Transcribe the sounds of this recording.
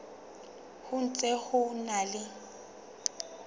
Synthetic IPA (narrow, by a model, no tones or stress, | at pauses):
hʊn̩t͡sʼɛhʊnalɪ